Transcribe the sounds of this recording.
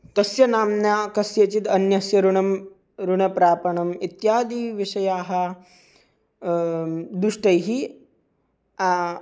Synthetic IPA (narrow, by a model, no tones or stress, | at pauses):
t̪ɐsjɐnaːmnjaːkɐsjɐt͡ʃit̪ɐnjɐsjɐɾuɳɐm | ɾuɳɐpɾaːpɐɳɐmit̪jaːd̪iːʋiʂɐjaːɦɐ | d̪ɾuʂʈɐjɦi | a